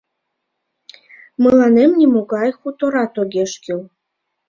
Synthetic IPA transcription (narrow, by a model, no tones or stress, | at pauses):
məlɑnemnʲimoɡɑjxut̪oɾɑt̪oɡʲeʃkil